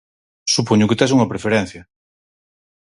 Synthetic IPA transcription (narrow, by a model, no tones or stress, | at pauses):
supoɲʊkɪt̪ɛsuŋɐpɾefeɾɛn̟θjɐ